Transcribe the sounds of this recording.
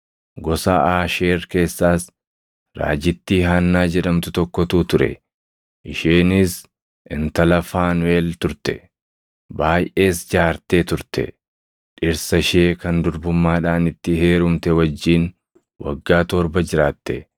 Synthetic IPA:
ɡɔsa̰ːʔaːʃe̞ːɾke̞ːsːaːs | ɾa̰ːd͡ʒɪt̪ːiːɦaːnːaːd͡ʒɛᶑɐmt̪ʊt̪ɔkːɔt̪uːt̪ʊɾɛ̰ | ʔɪʃeːnɪs | ʔɪnt̪ɐlɐfaːnwe̞ːlt̪ʊɾt̪ɛ̰ | baːjʔʔe̞ːsd͡ʒaːɾt̪eːt̪ʊɾt̪ɛ̰ | ᶑɪɾsɐʃe̞ːkɐnd̪ʊɾbʊmːaːᶑaːnɪt̪ːɪɦe̞ːɾʊmt̪ɛwɐd͡ʒːiːn | wɐ̰ɡːaːt̪ɔːɾbɐd͡ʒɪɾaːt̪ːɛ

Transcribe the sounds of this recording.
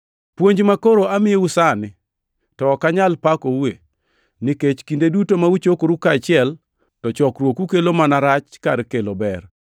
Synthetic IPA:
pwoɲd͡ʒmakoɾoamɪjeusanɪ | tɔːkaɲalpakowe | nɪket͡ʃkindedutomaut͡ʃokoɾukat͡ʃɪɛl | tɔt͡ʃɔkɾwokukelomanaɾat͡ʃkaɾkelobɛr

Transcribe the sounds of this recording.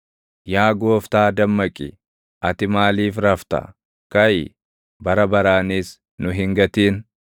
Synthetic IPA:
jaːɡoːft̪aːd̪ɐmːɐkʼɪ̰ | ʔɐt̪ɪmaːliːfɾɐft̪ɐ̰ | kɐj | bɐɾɐbɐɾaːniːs | nʊɦɪŋɡɐt̪iːn

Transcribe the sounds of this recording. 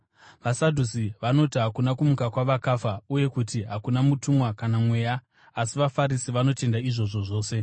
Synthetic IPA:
ʋasadʱusiʋano̞tiɦakunakumukakwaʋakafauje̞kutiɦakunamutumwakanamwe̞ːja | asiʋafaɾisiʋano̞te̞ndaiʐo̞ʐo̞ʐo̞ːse̞

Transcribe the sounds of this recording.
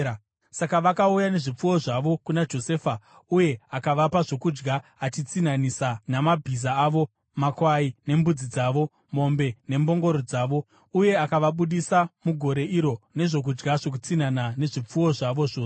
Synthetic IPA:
sakaʋakaujane̞ʐip͡fuwo̞ʐaʋo̞kunad͡ʒo̞se̞ːfa | uje̞akaʋapaʐo̞kud͡ʒɡaːt͡ʃit͡sinanisanamabʱizaːʋo̞ | makwaine̞mbud͡zid͡zaːʋo̞ | mo̞mbe̞ne̞mbo̞ŋɡo̞ɾod͡zaːʋo̞ | uje̞akaʋaɓuɗisamuɡʱo̞ɾe̞ʔiɾo̞ne̞ʐo̞k̬ud͡ʒɡaʐo̞k̬ut͡sinanane̞ʐip͡fuwo̞ʐaʋo̞ʐoː

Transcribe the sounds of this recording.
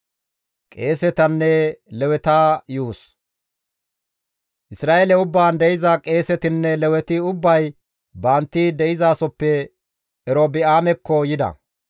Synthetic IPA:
kʼe̞ːsɛt̪ɐnːɛlɛwɛt̪aːjuːs | ʔɪsɾaːelɛʊbːaːnd̪ɛɪzɐkʼe̞ːsɛt̪ɪnːɛlɛwɛt̪ɪʊbːɐj | bɐnt̪ːɪd̪ɛɪzaːsɔpːɛ | ɛɾobɪaːmɛkːɔjɪd̪ɐ̰

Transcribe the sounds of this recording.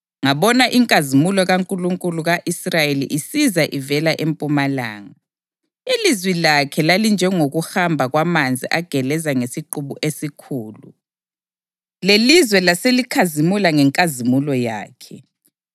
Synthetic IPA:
ŋaβɔnaʔiŋkʼazimulɔɣaŋkʼuluŋkʼuluɣaʔisrajelḭʔisizaʔivɛlaʔempʼumala̰ːŋa | ilizwilakʰɛlalind͡ʒʱɛŋoɣuhambʱaɣwamand͡zʱiʔaɡ̥ʱɛlɛzaŋesiǃuβuʔesikʰuːlu | lelizwɛlaselikʰazimulaŋɛŋkʼazimulɔja̰ːkʰɛ

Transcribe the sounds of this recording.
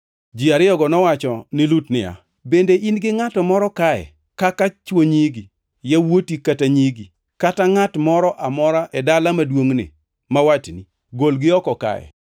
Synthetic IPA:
d͡ʒiaɾɪjɔɡɔnɔwat͡ʃɔnɪlutnɪ̰a̰ | bendeʔinɡɪŋatɔmɔɾɔkaɛ̰ | kakat͡ʃwoɲiɡi | jawotikataɲiɡi | kataŋatmɔɾɔʔamɔɾaʔɛdalamadwoŋnɪ̰ | mawatni | ɡolɡɪɔkɔka̰jɛ̰

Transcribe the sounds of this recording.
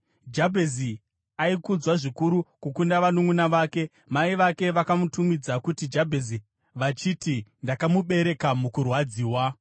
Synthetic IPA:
d͡ʒabʱezi | aikud͡zwaʐikuɾukukundaʋanuŋunaʋaːke̞ | maiʋake̞ʋakamutumid͡zakutid͡ʒabʱezi | ʋat͡ʃitindakamuɓe̞ɾe̞kamukurwad͡ziːwa

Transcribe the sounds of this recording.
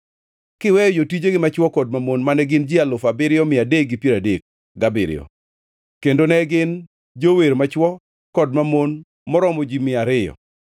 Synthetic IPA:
kɪwɛjɔd͡ʒotid͡ʒeɡɪmat͡ʃwɔkɔd̚mamonmanɛɡɪnd͡ʒɪalʊfabɪɾɪɔmɪadek̚ɡɪpjeɾadek̚ | ɡabɪɾɪ̰ɔ̰ | kendonɛɡɪn | d͡ʒoweɾmat͡ʃwɔ | kɔdmamon | mɔɾɔmɔd͡ʒimɪaɾɪjɔ̰

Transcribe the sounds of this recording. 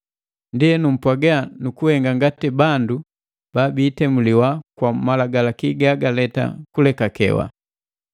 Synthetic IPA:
ndiɛnum̩pwaɡɛanukuhɛŋɡaŋɡatibandu | b̥abiːtɛmuliwakwamalaɡalakiɡaɡalɛta̰kulɛkakɛ̰wa̰

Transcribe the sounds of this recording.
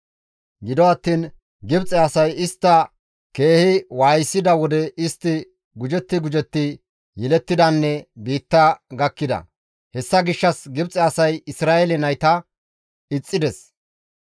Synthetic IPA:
ɡɪd̪ɔɐt̪ːiːn | ɡɪbt͡sʼɛɐsɐjɪst̪ːɐ | ke̞ːhɪwaːjɪsːɪd̪ɐwɔd̪ɛɪst̪ːɪ | ɡʊd͡ʒɛt̪ːɪɡʊd͡ʒɛt̪ːɪ | jɛlɛt̪ːɪd̪ɐnːɛbiːt̪ːɐɡɐkːɪd̪ɐ̰ | hɛsːɐɡɪʃːɐsɡɪbt͡sʼɛɐsɐjɪsɾaːɛlɛnɐjt̪ɐ | ɪt͡sʼːɪd̪ɛs

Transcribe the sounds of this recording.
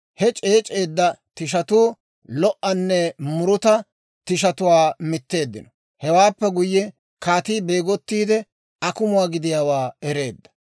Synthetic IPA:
hɛt͡ʃʼe̞ːt͡ʃʼe̞ːd̪ːɐt̪ɪʃ̬ɐt̪uː | lɔʔːɐnːɛmʊɾʊt̪ɐ | t̪ɪʃ̬ɐt̪ʊwaːmɪt̪ːe̞ːd̪ːɪnɔ | hɛwaːpːɛɡʊjːɛ | kaːt̪iːbeːɡɔt̪ːiːd̪ɛ | ɐkʊmʊwaːɡɪd̪ɪjaːwaːɛɾe̞ːd̪ːɐ̥

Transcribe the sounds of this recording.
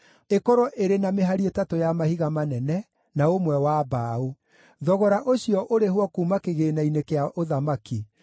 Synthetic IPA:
ekɔɾɔʔeɾenameɦaɾietatojamahiɣamanɛnɛ | naomwɛwabaːo | ðɔɣɔɾaʔoɕiɔʔoɾeɦwɔkuːmakeɣeːnainekeaʔoðamaki

